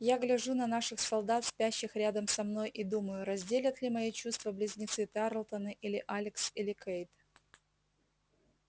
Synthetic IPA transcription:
jaɡlʲɪʐunɐnaʂɨxsɐlˠd̪at̪sʲpʲæɕːɪxɾʲad̪əmsɐmno̞jʔid̪uməjʊɾɐzʲdʲelʲət̪lʲɪmɐit͡ɕust̪vəblʲɪzʲnʲɪt̪sɨt̪aɾlˠt̪ənɨʔilʲɪʔalʲɪksilʲɪkejt̪

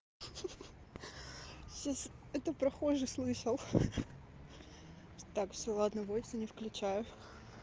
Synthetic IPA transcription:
ɕasɛt̪əpɾɐxo̞ʐɨslˠɨʂəlˠ | t̪akfsʲolˠad̪nəvosʲɪnʲɪfklʲʉt͡ɕæjʊ

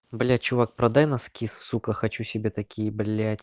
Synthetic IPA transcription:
blʲat͡ɕʊvak̚pɾɐd̪ajnɐskʲisfsukəxɐt͡ɕusʲɪbʲet̪ɐkʲijəblʲætʲ

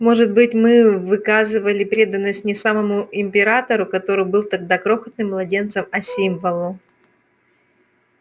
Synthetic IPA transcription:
mo̞ʐɨt̪̚bɨtʲmɨvɨkazɨvəlʲɪpɾʲe̞d̪ənːəsʲtʲnʲɪsaməmʊɪmʲpʲɪɾat̪əɾʊkɐt̪o̞ɾɨjbɨlˠt̪ɐɡ̚d̪akɾo̞xət̪̚nɨmːlˠɐdʲe̞nt̪səmɐsʲimvəlˠʊ

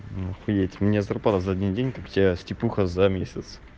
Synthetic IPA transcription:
nxʊjʲetʲmnʲazɐrplˠat̪əzɐɐdʲindʲenʲkaktʲɪbʲasʲtʲɪpʲuxəzɐmʲesʲət̪s

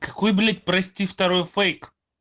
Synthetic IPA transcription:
kakojblʲet̪̚ʲpɾɛsʲt̪ʲift̪aɾojfejk

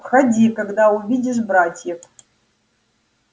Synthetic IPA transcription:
pχadʲikaɡd̪auvʲidʲɪʐbɾatʲjɛk

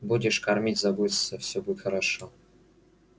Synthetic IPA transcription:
budʲɪʂkɐrmʲitʲzɐbusəfsʲobuɪt̪xəɾɐʂo

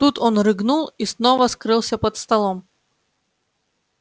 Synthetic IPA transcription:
t̪ut̪ɔnrɨɡnulˠisnɔvɐskɾɨlˠsʲɐpɐt̪st̪ɐlˠɔm

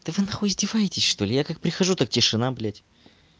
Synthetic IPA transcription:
t̪ɨvɨnaxʊzʲdʲɪvajɪtʲɪsʲʂt̪o̞lʲɪjakak̚pɾʲɪxɐʐut̪ak̚tʲɪʂɨnablʲætʲ

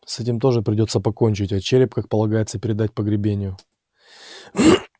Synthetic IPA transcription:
sɛtʲɪmt̪o̞ʐɨpɾʲɪdʲo̞t̪səpɐko̞nʲt͡ɕɪtʲɐt͡ɕeɾʲɪp̚kak̚pəlˠɐɡajɪt̪səpʲɪɾʲɪd̪at̚ʲpəɡɾʲɪbʲenʲɪjʊ

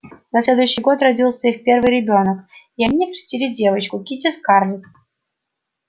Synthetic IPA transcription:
nɐsʲlʲed̪ʊjʏɕːɪjɡo̞t̪rɐdʲilˠsʲəixpʲervɨjɾʲɪbʲo̞nəkiɐmʲnʲekɾʲɪ̥sʲtʲilʲɪdʲe̞vət͡ɕkʊkʲitʲɪskarlʲɪt̪

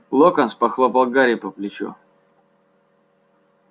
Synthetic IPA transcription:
lˠokɐnspɐxlˠopɐlˠɡaɾʲipɐplʲɪt͡ɕṵ

